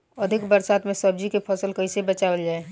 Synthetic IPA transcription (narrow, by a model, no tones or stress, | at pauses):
əd̪ʱɪkbəɾsaːt̪mẽsəb̚d͡ʒikepʰəsəlkəisebət͡ʃaʋəld͡ʒaːe